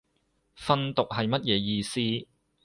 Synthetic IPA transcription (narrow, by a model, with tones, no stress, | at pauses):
fɐ˥nt̪ʊ˨k̚hɐ˨jmɐ˥t̚jɛː˨˧jiː˧siː˥